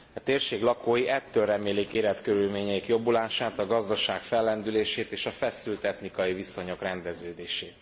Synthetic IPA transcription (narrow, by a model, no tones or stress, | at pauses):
ɒt̪eːrʃeːɡlɒkoːjiʔɛt̪ːøːlrɛmeːlikeːlɛt̪køɾylmeːɲɛikjo̞bulaːʃaːt̪ɒɡɒzd̪ɒʃaːkfɛlːɛnd̪yleːʃeːt̪eːʃɒfɛsylt̪ɛt̪nikɒjiviso̞ɲo̞krɛnd̪ɛzøːd̪eːʃeːt̪